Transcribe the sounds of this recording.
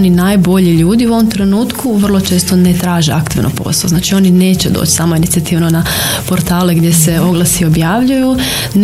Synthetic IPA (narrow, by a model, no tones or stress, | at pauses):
ninaːjbo̞ʎiʎuːd̪iuʋomt̪ɾe̞nuːt̪kʰuʋr̩lˠot͡ʃe̞ːst̪onet̪ɾaːʒḛa̰kt̪iʋnʔo̰po̰saoznaːt͡ʃio̞nine̞ːt͡ɕed̪o̰ːt͡ʃsaːmoinit̪siat̪iʋnona | po̞ɾt̪aːle̞ɡd̪je̞se̞o̞ɡlˠasio̞bjaːʋʎuju | n